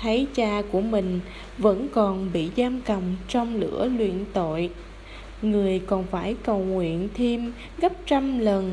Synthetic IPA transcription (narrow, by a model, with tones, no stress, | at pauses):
t̪ʰə˨˦jt͡ɕaː˧ku˧˩əmï˨˩ŋ̟ | və̰˧˥nkɔ˨˩nɓḭ˧˨zaː˧mkə˨˩mt͡ɕɔ˧wŋ͡mlɨ̰˧˥əlwḭ˧˨ənt̪o̰˧˨j | ŋɨ˨˩əjkɔ˨˩nfaː˧˩jkə˨˩wŋwḭ˧˨ənt̪ʰi˧m | ɣə˦˥p̚t͡ɕa˧mlə˨˩n